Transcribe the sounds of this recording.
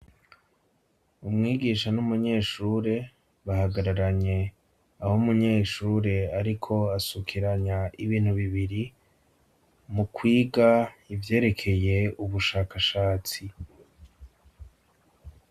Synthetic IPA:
umŋiːɡiʃanumuɲe̞ːʃuːɾe̞ | βahaɡaɾaɾaɲe̞ | ahomuɲe̞ːʃuːɾe̞aɾikʰo̞asukʰiɾaɲaiβiːn̥huβiβiɾi | mukʰwiːɡaivje̞ːɾe̞kʰe̞je̞uβuʃaːkaʃaːt͡si

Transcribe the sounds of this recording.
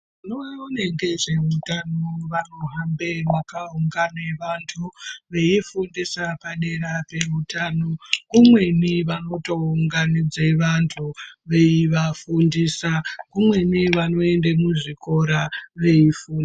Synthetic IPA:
unoaoneŋɡe̞ʐe̞utanoʋano̞ɦambe̞makauŋɡaneʋantʰuʋe̞ifundisapaɗe̞ɾape̞utano̞kumwe̞niʋano̞to̞uŋɡanid͡zeʋantʰuʋe̞iʋafundisakumwe̞niʋano̞e̞ndemuʐiko̞ɾaʋe̞ifuːndi

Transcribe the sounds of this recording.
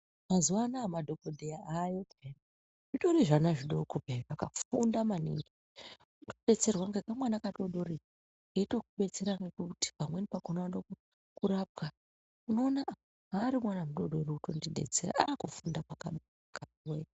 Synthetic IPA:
mazuwanamadʱokodʱejaajeten | ʐiɗo̞ɾiʐanaʐiɗokubʱerakafundamanḭŋɡi | utoɗe̞t͡se̞rwaŋɡekamwanakaɗo̞ɗo̞ɾi | eto̞kuɓe̞t͡seɾanɡekuti̥pamwe̞nipakonaaɗok | kuɾab̚ɡa | uno̞ːnaʔa | ɦaːɾimwanamuɗo̞ɗo̞ɾiuto̞ndiɗe̞̰t͡sḛra̰ʔaːkufundapakaɗ | kaiwe

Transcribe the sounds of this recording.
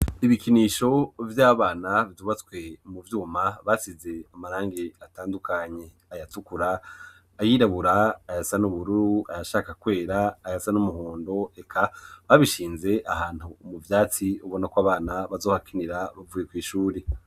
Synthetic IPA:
iβikiniːʃo̞vjaːβaːnaβiuβat͡skwe̞muvjuːmaβasize̞amaɾaːŋɡeataːndukʰaɲe̞ | ajatukuɾaː | jiːɾaβuɾaːjasanuβuɾuɾuajaʃaːkakwe̞ːɾaːjasanumuhoːndo̞e̞kʰaβaβiʃiːnze̞ʔahaːn̥umuvjaːt͡siuβo̞nakwaβaːnaβazoːhakʰiniɾaβavujekwiːʃuːɾe

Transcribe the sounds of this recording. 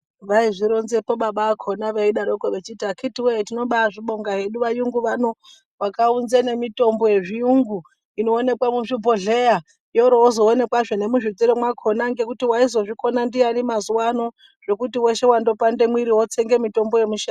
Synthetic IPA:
ʋaiʐiɾonzepo̞ɓaɓaːkʰo̞naʋeiɗaɾokoʋet͡ʃiːtakʰitiwetino̞ɓaːʐiɓo̞ŋɡaɦe̞ɗuʋajuŋɡuʋano̞ | ʋakaunzene̞mito̞mbo̞je̞ʐijuŋɡu | ino̞ːne̞kwamuʐibʱo̞ɮe̞ja | jo̞ɾoozo̞ːne̞kwaʐone̞muʐid͡ziɾemwakʰo̞naŋɡe̞kutiwaizo̞ʐiko̞nandianimazuwano̞ | ʐ̥e̞kutiwe̞ʃe̞wando̞pande̞mwiɾiwot͡seŋɡe̞mito̞mbo̞je̞muʃa

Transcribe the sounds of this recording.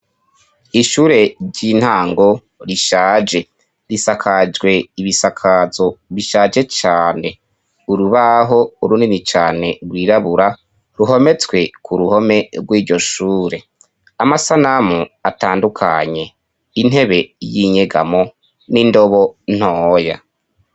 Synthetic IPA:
iʃuːɾe̞ɟin̥haːŋɡo̞ | ɾiʃaːd͡ʒe̞ | ɾisakʰad͡ʒɡwe̞iβisakʰazo̞βiʃaːd͡ʒe̞t͡ʃaːne̞ | uɾuβaɦo̞uɾuninit͡ʃaːne̞ɾwiːɾaβuɾa | ɾuɦo̞me̞t͡swe̞kʰuɾuho̞me̞ɾɡwiːɾɟoʃuːɾe̞ | amasanamuataːndukʰa̰ɲe̞ | in̥he̞βe̞jiɲeɡa̰mo̞ | nindo̞βo̞n̥hoːja̰

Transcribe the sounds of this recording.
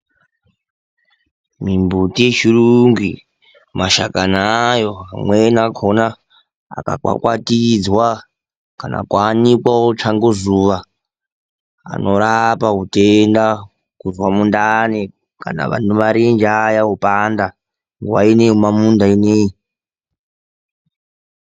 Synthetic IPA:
mimbutijet͡ʃiruŋɡi | maʃakanajo̞amwenakʰona̰ː | ka̰kwa̰kwa̰tid͡zwa | kana̰kwanikwaot͡ʂaŋɡozuːʋa | a̰no̞ɾapaɦutenda | kuzwamundane | ka̰na̰ʋa̰numaɾend͡ʒajaupanda | ŋɡuwa̰ineɦumamundainei

